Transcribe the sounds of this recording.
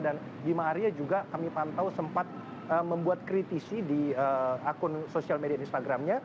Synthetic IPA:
dan | bimaːɾiad͡ʒuɡakamipant̪awsəmpat̪̚ | əməmbuat̪̚kɾit̪isidiəakʊnsosialmediainst̪aɡɾamɲa

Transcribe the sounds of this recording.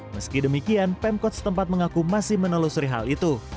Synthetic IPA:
məskidəmikianpɛmkɔt̪̚sə̥t̪əmpat̪̚məŋakumasɪhmənəlosuɾiɦa̰lit̪u

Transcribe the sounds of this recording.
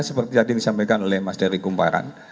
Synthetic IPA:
səpərt̪iadiandisampajkanolɛhmasdəɾiɡumpa̰ɾa̰n

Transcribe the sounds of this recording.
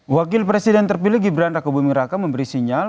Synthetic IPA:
wakɪlpɾɛsidɛnt̪ərpilɪhɡibɾanrakabumiɾakaməmbəɾisiɲal

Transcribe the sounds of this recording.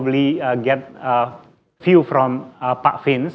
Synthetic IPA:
bliɡɛt̚ə | fjufɾɔ̃məpakfĩns

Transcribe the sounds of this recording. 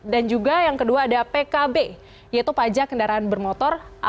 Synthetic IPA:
dand͡ʒuɡajaŋkəduaːdapekabe | jait̪upad͡ʒakəndaɾaanbərmot̪ɔrʔa

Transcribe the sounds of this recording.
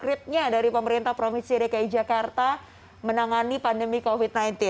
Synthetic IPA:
kɾɪt̪̚ɲadaɾipəməɾint̪ahpɾofɪnsiɾekaid͡ʒakart̪a | mənaŋanipandəmikofit̪̚najnt̪ɪ

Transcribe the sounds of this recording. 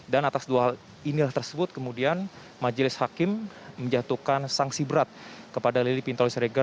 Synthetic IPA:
danat̪asduaɦal | inilaht̪ərsəbʊt̪̚kəmudian | mad͡ʒəlɪshakɪmː | əɲd͡ʒat̪ukansaŋsibəɾat̪̚kəpadalilipint̪olisɾeɡa

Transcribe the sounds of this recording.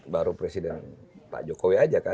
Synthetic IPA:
baɾupɾesidɛnpa̰d͡ʒɔkowiad͡ʒaka

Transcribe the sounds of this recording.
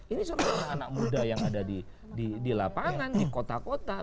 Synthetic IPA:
inisuɾaanak̚mudajaŋadadi | didilapaŋanikot̪akot̪a

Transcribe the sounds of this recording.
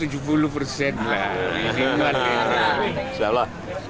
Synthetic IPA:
t̪ud͡ʒupulupərsɛt̪laiia | sapla

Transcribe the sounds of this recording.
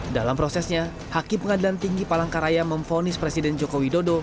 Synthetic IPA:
dalampɾosɛsɲa | hakɪmpəŋadilant̪iŋɡipalaŋkaɾajaməmfonɪspɾesidɛnd͡ʒokowidodo

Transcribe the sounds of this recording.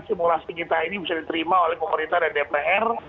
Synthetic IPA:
simulaspikit̪ainibisadit̪əɾimaolɛhpəməɾint̪adadepeʔɛr

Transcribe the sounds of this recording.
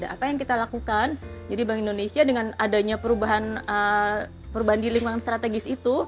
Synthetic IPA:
daʔapajaŋkit̪alakukand͡ʒadibaŋindonesiadəŋanadaɲapəɾubaɦanə | pəɾubaɦandiliŋaŋanst̪ɾat̪eɡɪsit̪u

